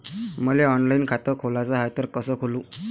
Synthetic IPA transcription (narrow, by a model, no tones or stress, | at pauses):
məleɔnlainkʰat̪əkʰolat͡saɦajt̪əɾkəsəːkʰoluː